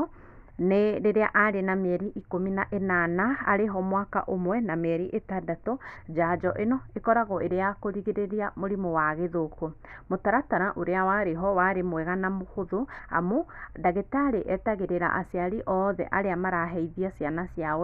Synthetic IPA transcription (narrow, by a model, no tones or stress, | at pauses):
neɾeɾeaʔaɾenamɛɾiʔikominaʔenana̰ːɾeɦɔmwaka̰ʔomwɛnameɾiʔetadatɔd͡ʒad͡ʒɔʔenɔekɔɾaɣɔʔeɾeakoɾiɣeɾeɾiamoɾimowaɣeðoko | motaɾataɾaʔoɾeawaɾeɦɔwaɾemwɛɣanamohoðoa̰modaɣetaɾeʔɛtaɣeɾeɾa̰ʔasjaɾiʔɔðɛ̰ʔaɾeamaɾaɦɛiðiasianasja